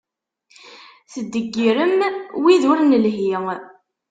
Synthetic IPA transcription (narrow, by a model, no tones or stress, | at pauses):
θəd̪ːəɡːiɾəmwiðʊɾnəlɦi